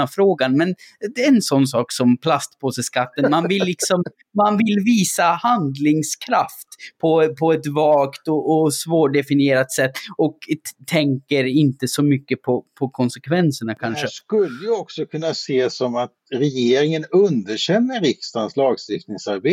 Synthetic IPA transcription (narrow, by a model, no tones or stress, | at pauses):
afɾoːɡanmɛnɛnsɔnːs̬ɑːksɔmpʰlast̪pʰɔsɛskat̪ːənmanvɪlːɪksɔm | manvɪlviːsahand̪lɪŋskʰɾaft̪pʰɔpʰɔɛt̪vɑːkt̪ɔʔːsvoːʈɖɛfɪnɪeːɾat̪sɛt̪ːɔkt̪ʰɛŋkəɾɪnt̪əsɔmʏkːəpʰɔpʰɔkʰɔnsɛkʰvɛnsəɳakʰanʂəskɵlːəjəɔksɔkʰɵnːaseːsɔmat̪̚ɾɛjeːɾɪŋənɵnd̪əʂɛmːəɾɾɪkst̪anslɑːɡst̪ɪft̪nɪŋsaɾbeː